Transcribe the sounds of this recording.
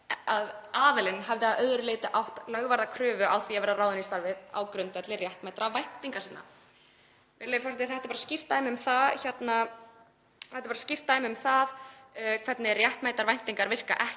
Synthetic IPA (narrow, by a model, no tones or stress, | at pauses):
aðaːðɪlɪnɦavðɪaðœðɾʏleːt̪ɪʔawht̪lœɣvaɾðakʰɾʏːvʏʔawθiavɛɾðaɾaːwðɪnist̪aɾvɪða̰ːwkɾʏnt̪vɛt̪lɪrjɛht̪majt̪ɾavajn̥t̪iŋkasɪnːa̰ | vɪɾlejfɔwsat̪ɪθɛht̪ɪɾpaɾascir̥t̪aɪmʏmθaðçɛt̪na | θɛht̪ɪɾpaɾascir̥t̪aɪmʏmθaðkʰv̥ɛt̪nɪrjɛht̪majt̪aɾvajn̥t̪iŋkaɾvɪr̥ka̰ʔɛh